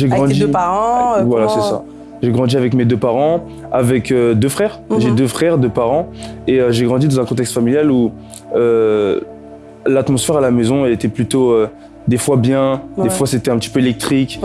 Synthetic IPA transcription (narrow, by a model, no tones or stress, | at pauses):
ʒeɡʁɑ̃d̪id̪aʁɑ̃vwalasɛsa̰ | ʒeɡʁɑ̃d̪iavɛkmed̪øpaʁɑ̃ | avɛkød̪øfχɛːʁʒed̪øfχɛʁd̪øpaʁɑ̃eøʒeɡʁɑ̃d̪id̪ɑ̃zɛ̃kɔ̃t̪ɛkst̪familjalu | ø | lat̪mɔsfɛʁalamɛzɔ̃ɛlet̪ɛplyt̪oø | d̪efwabjɛ̃d̪efwaset̪ɛɛ̃pət̪i̥pøelɛk̚t̪χik